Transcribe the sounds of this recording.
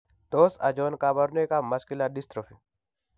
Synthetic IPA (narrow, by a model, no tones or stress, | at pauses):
d̪oːsɐ̰d͡ʒoːnkabɐɾnekamɐskilaɖist̪ɾofi